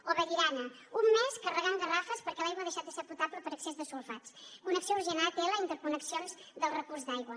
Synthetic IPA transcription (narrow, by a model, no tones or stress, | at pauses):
oβəʎiɾanə | umːeskərəɣanɡ̪ərafəspəɾkɛlajɣwəðəʃat̪̚d̪əseɾput̪abləpəɾəksezðəsulˠfat͡skunəksiouɾʒinat̪eləint̪əɾkunəksionzd̪əlˠrəkurzd̪ajɣwə